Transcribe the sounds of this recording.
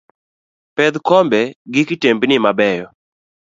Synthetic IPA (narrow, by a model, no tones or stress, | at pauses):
pɛd̪kɔmbɛɡɪkɪtembnɪmabɛjɔ